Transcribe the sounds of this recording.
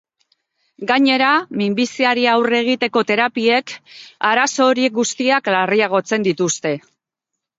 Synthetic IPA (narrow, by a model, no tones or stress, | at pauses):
ɡaɲe̞ɾamimbisiaɾiawre̞ɣ̞it̪e̞ko̞t̪e̞ɾapie̞kaɾaso̞ːɾie̞k̚ɡust̪iaklariaɣ̞o̞t͡se̞nd̪it̪ust̪e̞